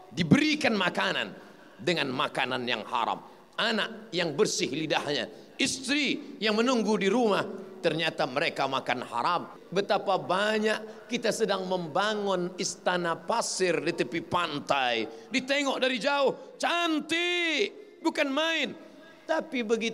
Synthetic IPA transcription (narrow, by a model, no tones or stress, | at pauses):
dibəɾikanmakana̰n | dəŋanmakananja̰ŋha̰ɾa̰m | anaʔ̚jaŋbərsɪhlidahɲa̰ | ist̪ɾijaŋmənuŋɡudiɾumaht̪ərɲat̪aməɾekamakanha̰ɾam | bət̪apabaɲaʔkit̪asədaŋməmbaŋʊnist̪anapasɪrdit̪əpipant̪ajdit̪eŋɔʔdaɾid͡ʒaʊht͡ʃant̪i | bukanmaɪn | t̪apibəɡi